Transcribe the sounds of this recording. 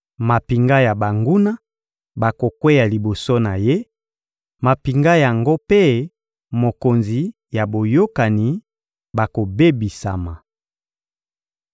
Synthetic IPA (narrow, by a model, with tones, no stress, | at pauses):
ma˨pi˨ŋɡa˦ja˨ba˨ŋɡu˦na˦ | ba˨ko˨kwe˦ja˨li˨bo˨so˦na˨je˦ | ma˨pi˨ŋɡa˦ja˨ŋɡo˦pe˦ | mo˨ko˨nzi˨ | ja˨bo˨jo˦ka˨ni˨ | ba˨ko˨be˦bi˨sa˨ma˨